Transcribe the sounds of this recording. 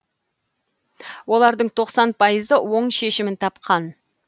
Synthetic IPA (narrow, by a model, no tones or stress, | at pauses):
wo̞lˠɑɾd̪əɴt̪ʰo̞qsɑnpʰɑjəzəwo̞ɴʃe̞ʃɪmɪnt̪ʰɑpqɑn